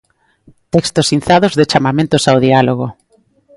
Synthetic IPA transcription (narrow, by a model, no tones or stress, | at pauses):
t̪ɛkst̪osin̟θaðozðet͡ʃamamẽnt̪osawð̞ialoɣ̞o